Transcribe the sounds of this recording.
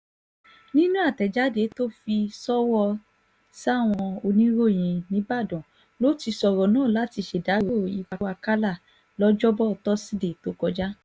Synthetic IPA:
nĩ˦nũ˦a˦˨tɛ˨d͡ʒa˨˦de˨˦to˦fi˧sɔ˦wɔ˧ | sw̃ɔ̃˧o˧nĩ˦ɾo˦˨j̃ĩ˧nĩ˨˦ba˦˨dɔ̃˨ | lo˨˦ti˧sɔ˧ɾɔ˨nãː˦˨la˨˦ti˧ʃe˨da˨˦ɾo˦˨i˧wa˧wa˧ka˦la˦˨ | lɔ˦d͡ʒɔ˦bɔ˦˨tɔ˦si˦de˨to˨˦kɔ˧d͡ʒa˦

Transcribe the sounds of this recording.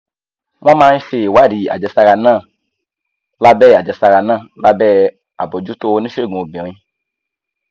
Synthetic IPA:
w̃ã˦mãː˦nĩ˦fe˧˨wa˨˦˨ɾi˨a̰˨d͡ʒɛ˨sa˧ɾa˧nãː˦˨ | la˦bɛ˦˨a˨d͡ʒɛ˨sa˧ɾa˧nãː˦˨la˦bɛ˦˨ | a˨bɔ˨d͡ʒu˦to˦wo˧nĩ˦fe˦˨ɡũ˨o˨bĩ˨ɾ̃ĩ˧

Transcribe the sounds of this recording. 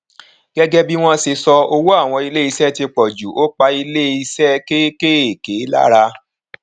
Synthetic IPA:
ɡ̥ɛ˦ɡɛ˦bi˦w̃ɔ̃˦si˧sɔ˧o˧wo˦a˦˨w̃ɔ̃˧i˧le˦i˧sɛ˦ti˧k͡pɔ˨d͡ʒu˨o˦k͡pa˧i˧le˦i˧sɛ˦ke˦ke˦e˨ke˨˦la̰˦ɾa˧

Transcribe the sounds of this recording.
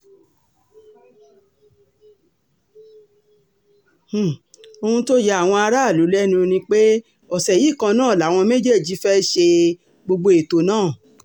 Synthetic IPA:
h̩˨ | o˧hũ˧to˦jɛ˧a˨w̃ɔ̃˧a˧ɾa˦˨lu˨˦lɛ˦nĩ˦˧nĩ˦k͡pe˦ | ɔ˨sɛ˨ji˨˦˨kã˧nãː˦˨la˨˦˨w̃ɔ̃˧me˦d͡ʒe˦˨d͡ʒi˨˦fɛ˦ʃe˧ | ɡ͡bo˧ɡ͡bo˧e˨to˨˦nãː˦˨

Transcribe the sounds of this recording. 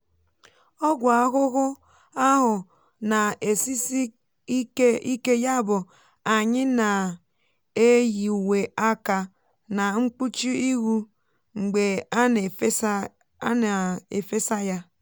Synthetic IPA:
ɔ˦ɡʷa˨˦ɣʊ˦ɣʊ˦ | a˦ɦʊ˨ | na˨e˨si˦si˦ | i˦ke˦ja˦bʊ˨ | a˨ɲɪ˦na˨ | e˦ji˨u˨we˨a˦ka˨ | na˨ŋ͡m̩˦k͡pu˦t͡ʃi˦i˦ɣu˦ | ŋ͡m̩˨ɡ͡be˨˦˨ | n˨e˨fe˦sa˦ja˦

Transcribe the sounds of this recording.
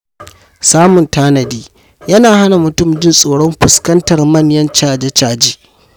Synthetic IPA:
saː˦mʊ˨ntaː˦nɐ˨diː˦ | jɐ˦naː˨ha˦na˨mʊ˨tʊ˦mdʊ˦nsʼoː˨ɽɔ˦mɸʊ˨skɐ˦ntɐ˨rmɐ˦ɲjɐ˦nt͡ʃaː˦d͡ʒɐ˦t͡ʃaː˦d͡ʒiː˦ʔ

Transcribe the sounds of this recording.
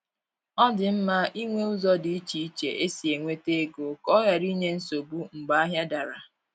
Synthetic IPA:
ɔ˦dɪ˨m̩˦ma˦i˦ŋʷe˦u˦zɔ˦di˨i˦t͡ʃi˨i˦t͡ʃḛ˨ʔe˦si˨e˨ŋʷe˦te˦e˦ɡo˨kɔ˦ja˨ɾi˦ɲe˦n̩˦so˨bu˦ŋ͡m̩˨ɡ͡ba˦a˦ɦja˦da˨ɾa˨

